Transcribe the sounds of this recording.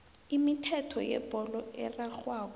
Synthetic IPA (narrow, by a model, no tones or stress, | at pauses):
imitʰɛtʰɔ̰jɛ̰b̥ʱɔlɔɛ̰raxwaːk̬ɔ